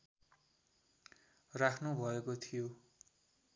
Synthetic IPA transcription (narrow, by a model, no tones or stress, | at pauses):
rakʰnubʱʌekot̪ʰijo